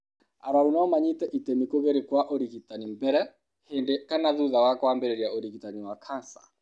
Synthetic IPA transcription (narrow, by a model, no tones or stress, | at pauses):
aɾaunaɔmaɲitɛʔitɛmikoɣeɾikwaʔɔɾiɣitanimbɛɾɛ | hendɛkanaðuðawakɔambɛɾɛɾjaʔɔɾiɣitaniwakʰansḁ̰